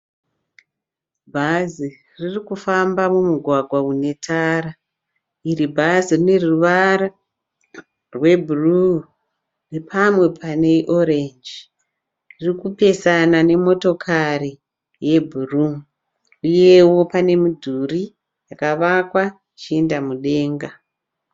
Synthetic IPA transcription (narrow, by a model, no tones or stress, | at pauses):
bʱazi | ririkufambamumuɡʱwaɡʱwaune̞tʰaːɾa | iribʱazirine̞ruʋaɾa | rwe̞bʱuru | repʰamwe̞pʰane̞ʔo̞ɾend͡ʒ | ririkupe̞sanane̞mo̞to̞kʰari | je̞bʱurum | uje̞wo̞pane̞mudʱuri | jakaʋakwa | t͡ʃiendamuɗe̞ːŋɡa